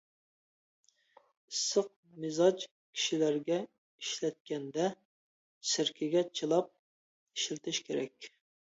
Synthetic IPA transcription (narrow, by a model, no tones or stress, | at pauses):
isːəq̚ | mɪzɑt͡ʃ | kʲʰi̥ʃilæɾɡʲɛ | iʃlɛt̪̚kʲɛnd̪ɛ | sɪɾkʲʰɪɡʲɛt͡ʃʰilˠɑp̚ | iʃilt̪ʰɪʃkʲʰeɾɛkʲ